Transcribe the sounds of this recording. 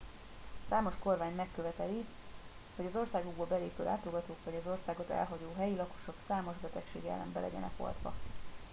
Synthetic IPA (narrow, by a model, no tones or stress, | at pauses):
saːmo̞ʃko̞rvaːɲmɛkːøvɛt̪ɛli | ho̞ɟɒzo̞rsaːɡoɡ̚boːbɛleːpøːʔa̰ːt̪loɡɒt̪oːkʋɒɟɒzo̞rsaːɡo̞t̪ɛ̰lɦɒɟoːɦɛjilɒko̞̥ʃo̞ksaːmo̞ʒbɛt̪ɛkʃeːɡɛ̰lːɛ̰mbɛlɛ̰ɟɛ̰nɛ̰ko̰lt̪ʋɒ̰